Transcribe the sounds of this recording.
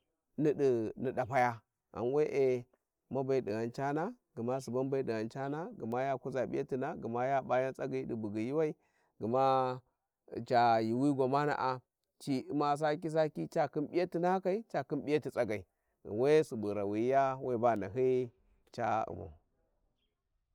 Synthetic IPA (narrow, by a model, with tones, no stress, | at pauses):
ni˦ɗi˨ni˨da˨pa˦ja˦ | a̰˨nwe˦ʔe˨ | ma˦ba˨i˨di˨ɣa˨nt͡ʃa˦na˦ | ɡə˨ma˦su˨ba˦nba˦i˦di˨ɣa˨nt͡ʃa˦na˦ɡə˨ma˦ja˦ku˦za˨bḭ˦a˦ti˨na˦ɡə˨ma˦ja˦ba˦ja˦t͡sʼa˦ɡa˨i˦di˨bu˨ɡi˨ji˦wa˦i˦ | ɡə˨ma˦˨ | t͡ʃa˨ji˨wi˦ɡʷa˨ma˦na̰˨ʔa˨ | t͡ʃi˦i˦ma˨s̬a˦k̬i˦s̬a˦ki˦t͡ʃa˦ki˦nbi˦ja˦ti˦na˦ka˨i˦t͡ʃa˨ki˦bi˦ja˦ti˨t͡sʼa˦ɡa˨i˨ | we˦su˨bu˨ɾa˨wi˨˦ja˦wa˦˨ba˦˨na̰˨ɦi˦ | t͡ʃa˦ṵ˨ma̰˨